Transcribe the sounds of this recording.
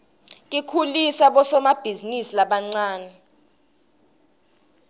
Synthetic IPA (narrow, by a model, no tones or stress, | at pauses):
tʼikʰulisaɓɔsɔmab̥ʱizinisilaɓaŋ͡ǀaːnɛ